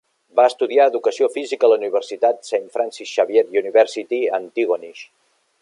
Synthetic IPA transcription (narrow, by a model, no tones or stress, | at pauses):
baəst̪uðiaəðukəsiofizikələuniβəɾsit̪at̪senfɾansisʃaβjet̪juniβɛɾsit̪iənt̪iɣoniʃ